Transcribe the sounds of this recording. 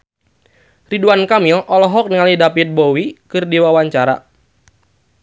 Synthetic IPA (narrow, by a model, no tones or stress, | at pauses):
riduankamilʔɔlɔɦɔk̚niŋalidapit̪̚bowikɨrdiwawaɲt͡ʃaɾa̰